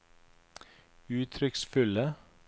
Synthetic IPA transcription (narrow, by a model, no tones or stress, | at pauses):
ʉːt̪ʰɾʏksfʉlə